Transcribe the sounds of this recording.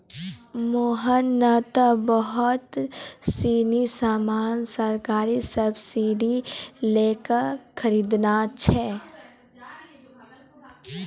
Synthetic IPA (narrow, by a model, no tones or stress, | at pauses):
moːɦənːət̪bəɦʊt̪siːnisaːmaːnsəɾkaːɾisəbsiɖileːkəɾxʰəɾiːd̪nat͡ʃʰɛː